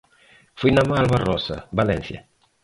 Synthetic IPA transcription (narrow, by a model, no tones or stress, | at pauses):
fujnamaalβarɔsa̰balẽnθja̰